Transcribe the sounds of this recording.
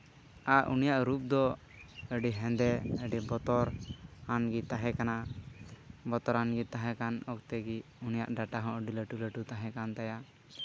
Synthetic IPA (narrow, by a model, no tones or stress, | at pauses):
aʔunijaʔɾup̚d̪ɔ | əɖiɦɛ̃nd̪ɛəɖibɔt̪ɔɾanɡit̪aɦɛkana | bɔt̪ɔɾanɡit̪aɦɛkanɔkt̪ɛɡiunija̰ʔɖaʈaɦɔ̃ʔəɖiləʈuləʈut̪aɦɛ̃kant̪aja